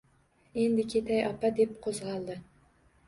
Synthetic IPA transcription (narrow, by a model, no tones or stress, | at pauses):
end̪ɪkʲʰet̪ʰæjɑpad̪epqʰozʁɑlˠd̪ɨ